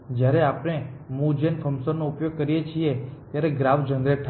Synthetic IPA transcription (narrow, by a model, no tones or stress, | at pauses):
d͡ʒjaɾeapɽ̃emũd͡ʒenfʰəmsəɾnoʊpjoɡ̚kəɾijet͡ʃʰiet̪jaɾeɡɾaʋd͡ʒənd̪ɾeʈʰ